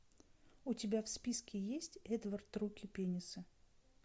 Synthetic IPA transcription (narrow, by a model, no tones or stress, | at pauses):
ʊtʲɪbʲafspʲiskʲɪjesʲtʲɛd̪vərt̪ːɾukʲɪpʲenʲɪsɨ